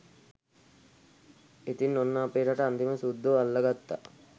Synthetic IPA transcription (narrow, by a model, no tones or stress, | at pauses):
et̪inːonːaːpeːʈaʈəant̪iməsud̪ːoalːɐɡat̪ːa̰